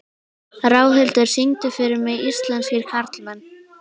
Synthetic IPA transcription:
raːwɦɛlt̪ʏɾ̥siŋt̪ʏfɪɾɪɾmɛðist̪laɛnsiɾkʰaɾt̪lmɛnː

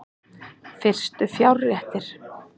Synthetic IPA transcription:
fɪr̥st̪ʏfjawɾɛht̪ɪɾ̥

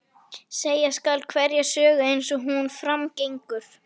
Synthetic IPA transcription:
seːjaskalt̪̚kʰvɛɾjɛɣsœːɣaejnsɔɦunfɾamcejŋkʏɾ̥

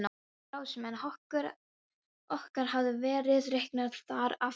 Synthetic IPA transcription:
n | awsmɛnhɔhkʏɾ | ɔhkaɾ̥ɦavðʏvɛːɾɪðrehknað̥θaɾa

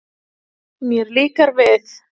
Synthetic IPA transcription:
miɾlikaɾveθ

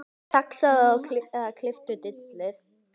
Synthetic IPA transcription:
saksaðɔkʰlkʰlɪft̪ʏt̪ɪt̪lɪð

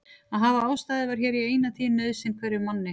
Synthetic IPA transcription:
aðɦavaaːwst̪aːðɪvaɾ̥çɛːɾiɛeːjnaθʰiːnːœːðsɪnkʰvɛːɾɪɾmanːɪ

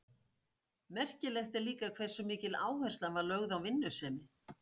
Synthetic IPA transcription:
mɛr̥cɪlɛxt̪ɛɾliːkakʰvɛ̥sʏmiːcɪlaːwhɛr̥st̪lanvaɾlœɣðawvɪnːʏsɛːmɪ

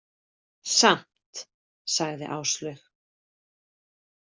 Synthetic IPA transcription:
sam̥t̪ | saɣðɪ̰ʔaːwst̪lœɥx

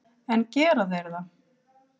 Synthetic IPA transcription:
ɛncɛːɾaðejɾða

